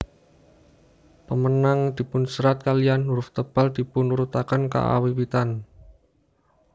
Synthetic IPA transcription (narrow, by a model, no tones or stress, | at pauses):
pəmənaŋd̪̥i̤pʊnsəɾat̪̚kalianːuɾʊft̪əb̥ald̪̥i̤pʊnuɾut̪akənka̰ʔa̰wiwit̪an